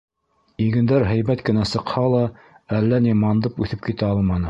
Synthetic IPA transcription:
iɡɘ̆nd̪æɾɦæjbæt̪kɘ̆næsɤ̆qhɑlˠɑ | ælːænimɑnd̪ɤpʉθɘp̚kit̪æɑlˠmɑnɤ

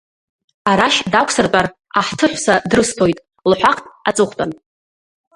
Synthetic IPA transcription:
aɾaʃdakʷʰsɨrtʼar | aħtʰɨħʷsadrɨstʰo̞jtʼ | lħʷᶣaqʰʼtʼat͡sʼɨχʷtʼan

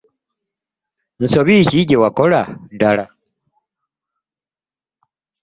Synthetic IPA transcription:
n̩soβiːciɟewakoladala

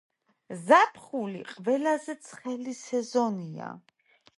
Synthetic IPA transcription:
zapʰχulḭqʼvɛlazɛt̪sʰχɛlisɛzɔnia̰

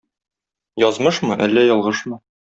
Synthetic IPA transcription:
jɒzmɤʃmɤʔælːæjɒlˠʁɤʃmɤ

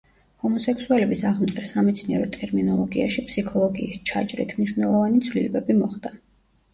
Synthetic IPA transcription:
hɔmɔsɛkʰsualɛbisaʁmt̪sʼɾɛsamɛt̪sʰniɛɾɔt̪ʼɛɾminɔlˠɔɡiaʃipʰsikʰɔlˠɔɡiːst͡ʃʰa̰d͡ʒɾḭt̪ʰmniʃwnɛlˠɔvanit̪sʰvlilɛbɛbimɔχd̪̥a

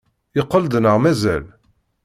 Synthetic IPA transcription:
ɪqːəld̪nəʁmæzæ̰l

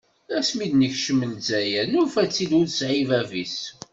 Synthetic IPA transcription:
æsmid̪nəçʃəmːənzæjænuɾfæt͡sːid̪ʊɾsʕivævis

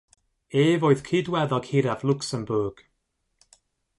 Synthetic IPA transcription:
eːvoːɨð̥kʰidwɛðɔɡ̥hɪɾavlˠʊksəmbʊrɡ̥

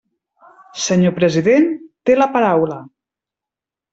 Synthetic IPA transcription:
səɲopɾəziðent̪eləpaɾawlə

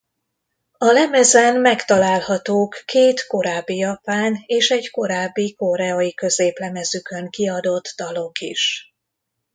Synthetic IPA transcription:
ɒlɛmɛzɛnmɛkt̪ɒlaːlhɒt̪oːkːeːt̪ko̞ɾaːbːijɒpaːneːʃɛɟko̞ɾaːbːiko̞ɾɛɒikø̞zeːplɛmɛzykøŋkiɒd̪o̞d̪ːɒlo̞kḭʃ

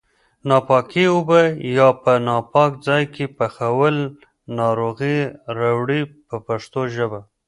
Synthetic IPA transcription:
nɑpɑkiʊbəjɑpənɑpɑkd͡zɑjkʰepəxawəl | nɑɾoɣiɾawɽipəpaʂt̪oʒəba

